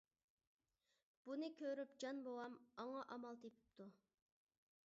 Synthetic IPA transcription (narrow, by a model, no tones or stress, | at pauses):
b̥unɨkʲʰøɾypd͡ʒɑnbowɑmɑŋɑʔɑmɑlˠt̪epʰy̥p̚t̪ʰu